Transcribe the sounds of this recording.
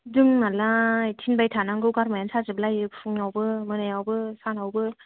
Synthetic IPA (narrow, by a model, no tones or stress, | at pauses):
dɯŋnalajtʰinbajtʰanaŋɡɯwɡaɾmajansʰazɯbɯlajɯpʰuŋnawbɯmɯnajawbɯsanawbɯ